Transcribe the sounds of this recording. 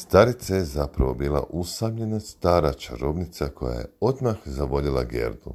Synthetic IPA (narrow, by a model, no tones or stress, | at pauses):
st̪aɾit̪sajezapɾaʋo̞biːlˠa̰ʔusamʎe̞nast̪aːɾat͡ʃaɾo̞bnit̪sakʰo̞ja̰jḛo̞d̪maxzaʋo̞ʎilˠa̰ɡe̞̰ɾd̪u